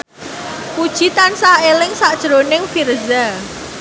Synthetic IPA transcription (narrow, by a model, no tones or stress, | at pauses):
pud̥ʒ̥it̪ansaelɪŋsaʔd̥ʒ̥ɾonɪŋfirza